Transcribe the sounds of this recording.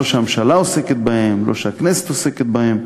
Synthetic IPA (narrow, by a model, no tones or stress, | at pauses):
oʃeamʃalaoseket̪̚bahemlo̞̰ʃeakneset̪oseket̪̚bahem